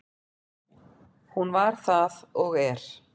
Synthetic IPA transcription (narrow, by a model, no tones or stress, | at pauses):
hunvaɾ̥θaðɔɣɛɾ̥